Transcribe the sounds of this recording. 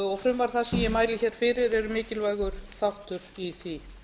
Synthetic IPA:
ɔɣfɾʏmvaɾ̥θaðsɛmjɛmaːjlɪçɛːɾ̥fɪːɾɪɾɛɾʏmɪːcɪlvajɣʏɾ̥θawht̪ʏɾ̥iθi

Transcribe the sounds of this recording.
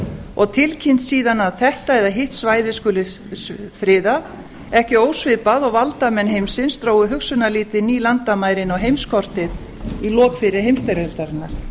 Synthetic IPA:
ɔɣt̪ʰɪlcʰɪn̥t̪siːðanaðθɛht̪aɛðaɦɪht̪svaːjðɪskʏːlɪ | fɾɪːðað | ɛhcɪoːwsvɪpaðɔɣvalt̪amɛnɦejmsɪnst̪ɾoːwʏɦʏksʏnaliːt̪ɪniːlant̪amaːjɾɪnɔwɦejmskʰɔr̥t̪ɪð | ilɔːkfɪɾɪɾɦejmst̪ajɾɛlt̪aɾɪnːaɾ̥

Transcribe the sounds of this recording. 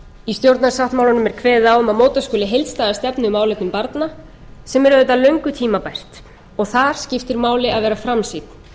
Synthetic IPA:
ist̪jowɾt̪nasawht̪mawlanʏmɛɾ̥kʰvɛːðɪðawʏmaðmoːwt̪askʏːlɪɦejlt̪st̪aːðast̪ɛpnʏmaːwlɛt̪nʏmpaɾt̪na | sɛmɛɾʏðɛːt̪ːalœɥŋkʏt̪ʰiːmapɛst̪ | ɔɣθaɾ̥scɪft̪ɪɾmaːwlɪaðvɛːɾafɾamsiːt̪̚n

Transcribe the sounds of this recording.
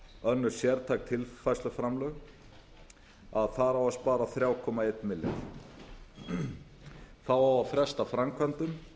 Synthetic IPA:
œnːʏɾ̥sjɛɾt̪ʰaːk̚t̪ʰɪlfajslʏfɾamlœɣ | aðθaɾawaspaːɾaθɾjaːwkʰɔːmaejt̪nmɪlːja̰θ | θawawafɾɛst̪afɾamkʰvant̪ʏm

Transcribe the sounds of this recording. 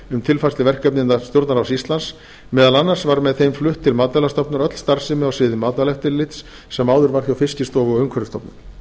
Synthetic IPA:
ʏmt̪ʰɪlfast̪ɪvɛr̥kœpnɪnt̪ast̪jowɾt̪naɾasist̪lans | mɛːðalanːar̥svaɾmɛðθejmflʏht̪ʰːɪlmaːt̪ɛlast̪ɔpnʏɾœt̪l̥st̪aɾ̥sɪmʏawsɪːðɪmaːt̪alɛht̪ɪlɪt̪sː | ɛmːaːwðʏɾvaɾ̥θjawfɪscɪst̪ɔːvʏɔœɥŋkʰvœɾɪst̪ɔpnʏm

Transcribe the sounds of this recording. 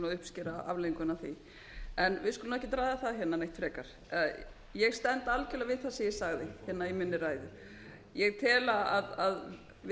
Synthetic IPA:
nɔðʏhpscɪːɾaa̰vleiŋkʏnaθi | ɛnvɪðskɔlnmɛhcːɪt̪ɾaːjðaθaðçɛtnːanejht̪fɾɛːkaɾ̥ | jɛɣst̪ɛnt̪alcɛlavɪðθasɛjɛsaɣðɪçɛtnːaimɪnːɪraːjðʏ | jɛɣt̪ʰɛːlaaðað | v

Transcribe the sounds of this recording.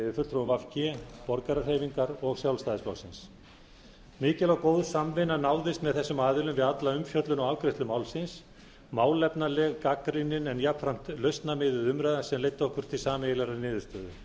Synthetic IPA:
ðɪfʏlt̪ʰɾovafcɛpɔɾkaɾar̥hejviŋkaɾɔɣsjawlst̪ajðɪsplawsɪns | mɪːcɪlawkoːwðsamvɪnanaːwðɪst̪mɛðθɛsːʏmaːðɪlʏmvɪðat̪laʏmfjœt̪lʏnawalkɾest̪lʏmawlsɪns | maːwlɛpnalɛɣkakɾinɪnɛnjapfɾam̥t̪lœɥst̪namɪːðʏðʏmɾajðasɛmlejt̪ːɔhkʏɾ̥t̪ʰɪlsaːmejɪlaɾaɾnɪːðʏɾst̪œːðʏ

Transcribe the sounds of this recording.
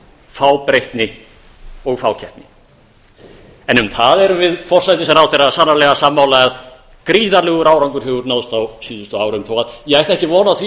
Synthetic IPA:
faːwpɾejht̪nɪ | ɔɣfaːwcʰɛht̪nɪ | ɛnʏmθaðɛɾʏmvɪðfɔr̥sajt̪ɪsɛmɾawθejɾasanːalɛɣasamːawlaað | kɾiːðaɾlɛːɣʏɾaːwɾawŋkʏɾ̥ɦɛɣʏɾnawðst̪awsʏːðʏst̪ʏaːwɾʏmt̪ʰɔwɣaðjɛɣajht̪ɛhcɪvɔːnaθvi

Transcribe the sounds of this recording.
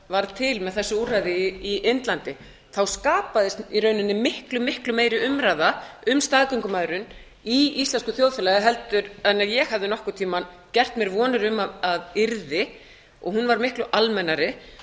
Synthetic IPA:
vaɾt̪ʰɪlmɛðθɛsːʏuːrajðɪiɪnt̪lant̪ɪ | θawskaːpaðɪst̪iɾœːɥnʏnːɪmɪhklʏmɪhklʏmeːjɾɪʏmɾaːjðaʏmst̪aːðkœŋkʏmaːðɾʏn | iislɛnskʏθjoːwðfɪlaɣɪɦɛlt̪ʏɾanːajɛɣhavðɪnɔhkʏ̥t̪ʰiːman | cɛr̥t̪mjɛɾvɔːnʏɾʏmaaðɪɾðɪ | ɔ̰ɣhunvaɾmɪhklʏʔalmɛnːaɾɪ

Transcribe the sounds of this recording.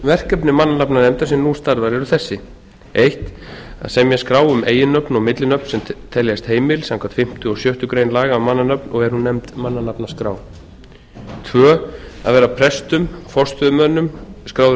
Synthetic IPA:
vɛr̥cœpnɪmanːanapnanɛmt̪as̬ɪnːust̪aɾvaɾɛɾʏθɛsːɪ | ejht̪a̰ðsɛmjɛskɾaːwʏmeːjɪnœpnɔɣmɪt̪lɪnœpnsɛmt̪ʰɛljast̪heːjmɪlsãŋkʰvat̪fɪm̥t̪ʏɔsjœht̪ʏkɾeːjnlaːɣamanːanœpnɔɣɛɾ̥hunːɛmt̪manːanapnḁskɾa̰ːw | t̪ʰvœːa̰ðvɛːɾapʰɾɛst̪ʏmfɔr̥st̪ʰfʏðʏmœnːʏmskɾaːwðʏ

